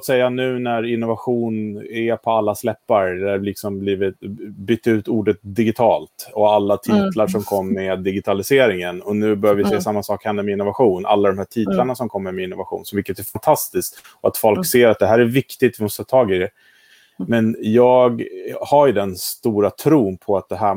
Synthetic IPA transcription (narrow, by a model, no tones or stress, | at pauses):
ft̪sɛjːanʉ̟ːnæɾɪnːʊvaɧuːnæpʰɔalːaslɛpːaɾd̪əlɪksɔmbliːvɪt̪bʏt̪ːaʉ̟ːt̪uːɖət̪̚d̪ɪɡɪt̪ʰɑːlt̪ɔalːat̪ʰiːt̪laʂɔmkʰɔmːmɛd̪ːɪɡɪt̪ʰalɪseːɾɪŋənɔnʉ̟ːbœɾjavɾvɪsɛːasamːasɑːkhɛnd̪əɾmɛɪnːʊvaɧuːna̰lːad̪ɔmhæːʈʰiːt̪laɳasɔmkʰɔmːəɾmɛɪnːʊvaɧṵːnsɔmvɪkːət̪æɾfant̪ʰast̪ɪskt̪ | ɔa̰t̪fɔlkseːɾat̪̚d̪ɛɦæːɾævɪkt̪ɪt̪vɪmɔst̪əɑːt̪ʰɑːɡɪd̪ɛ | mɛnjɑːɡhaɾjɵd̪ɛnst̪uːɾat̪ʰɾuːnpʰɔat̪̚d̪ɛɦæː